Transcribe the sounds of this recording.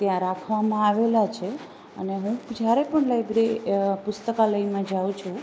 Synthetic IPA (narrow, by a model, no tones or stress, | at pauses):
t̪jãɾakʰʋamãaʋelat͡ʃʰe | ə̰neɦũd͡ʒjaɾepəɳlajbɾepʊst̪əkaləimãd͡ʒaʋut͡ʃʰũ